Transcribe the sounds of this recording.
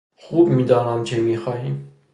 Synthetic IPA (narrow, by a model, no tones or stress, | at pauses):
χubmid̪ɑnɑnt͡ʃʰɛmiχɑjin